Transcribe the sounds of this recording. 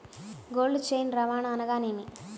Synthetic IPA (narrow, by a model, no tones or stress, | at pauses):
ɡoːlːut͡ʃejnɾɐʋaːɳaːnɐɡaːneːni